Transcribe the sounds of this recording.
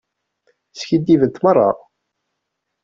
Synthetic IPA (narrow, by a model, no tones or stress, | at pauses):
sçid̪ːivənt̪mərˤːɑ̰